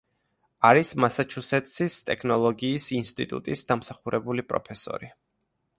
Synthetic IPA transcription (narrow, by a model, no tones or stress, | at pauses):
aɾismasat͡ʃʰusɛt̪ʼsist̪ʼɛkʰnɔlˠɔɡiːsinst̪ʼḭt̪ʼṵt̪ʼisd̪̥amsaχuɾʔɛbulipʼɾɔ̰pʰɛsɔ̰ɾi